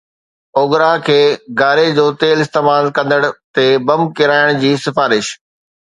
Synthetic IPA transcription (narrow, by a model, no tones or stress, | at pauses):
oːɡɾakʰeːɡaːɾed͡ʑoːt̪eːlɪst̪eːmaːlkɐ̃nd̪əɽ̃t̪ebɐm̚kɪɾaːɪɽ̃d͡ʑiːsɪfaːɾɪʃ